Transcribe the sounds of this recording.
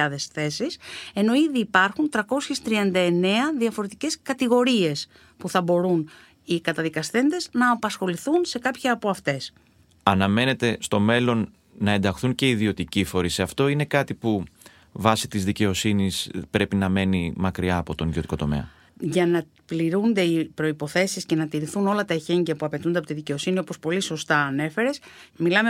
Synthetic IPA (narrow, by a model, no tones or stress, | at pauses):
ɐðe̞sθe̞sise̞no̞iðiːpɐɾxunt̪ɾɐko̞sçe̞st̪ɾiɐnd̪ɐe̞ne̞ɐðiɐfo̞ɾe̞t̪ice̞skɐt̪iɣo̞ɾie̞s | puθɐbo̞ɾun | ikɐt̪ɐðikɐsθe̞nd̪e̞znɐːpɐsxo̞liθunse̞kɐpçɐɐpo̞ɐft̪e̞s | ɐnɐme̞ne̞t̪e̞st̪o̞me̞lo̞nː | ɐe̞nd̪ɐxθuɲce̞iðio̞t̪icifo̞ɾiseɐft̪o̞ine̞kɐt̪ipu | vɐsi̥t̪izðice̞o̞sinispɾe̞pinɐme̞nimɐkɾiɐːpo̞t̪o̞nio̞t̪i̥ko̞t̪o̞me̞̰ɐ̰ | ʝɐnɐ | pliɾund̪e̞ipɾo̞ipo̞θe̞sisce̞nɐt̪iɾiθuno̞lɐt̪ɐeçe̞ɲɟɐpuɐpe̞t̪und̪eɐpot̪iðice̞o̞sinio̞po̞spo̞liso̞st̪ɐːne̞fe̞ɾesmilɐme